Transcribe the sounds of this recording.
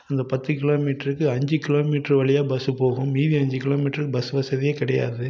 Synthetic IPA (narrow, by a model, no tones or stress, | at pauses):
ɐnd̪ɐpɐt̪ːɯkɪloːmiːʈɐɾɯkːɯɐɲd͡ʒɯkɪloːmiːʈɐɾʋɐɭɪjaːbɐsɯpoːɣʊ̃mːiːðiɐɲd͡ʒɯkɪloːmiːʈɾɯkːɯbɐsɯʋɐsɐðɪjeːkɪɽɐja̰ːðɯ